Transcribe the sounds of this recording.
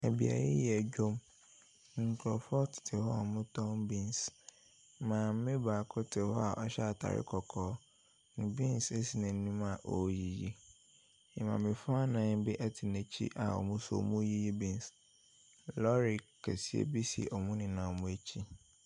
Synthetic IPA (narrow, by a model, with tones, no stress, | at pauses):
æ˨bi˨a̰˨jɪ̰˦jɛ˨d͡ʑᶣo˦m | ŋ̩˨kʰlɔ˨fɔ˦tʰɪ̥˨tʰɪ˨hɔ˦a˨mʊ̃˦tʰɔ̃˦mbĩ˦ns | mãː˨m̩˦mɪ̃˦baː˨kʰʊ˦tʰɪ˨hɔ˦a˨ʔɔ˦ɕa˦˨tʰa̰˨ɾɪ̰˦kʰɔ˨kʰɔː˨˦ | nʊ̃˨bĩ˦n˨se˦si˨nã˨n̩˦nũ˦ma˨ʔɔ˨˦ji˨ji˦ | ɪ̃˨mã̰˨mɪ̃˨fa˦nã˨n˦bɪ˦ʔa˦tʰɪ˨næ̃˨t͡ɕʰḭ˦ʔa̰˨ɔ̰˨mʊ̃˦sɔ̰˨mũ˦ji˦ji˦bĩ˦n˨s | lɔ˦ɾɪ˨kʰːɛ˨si˨ḛ˦bi˦sḭ˨ʔɔ˨mʊ̃˦nɪ̃˨nã˨mʊ̃˦e˦t͡ɕʰi˦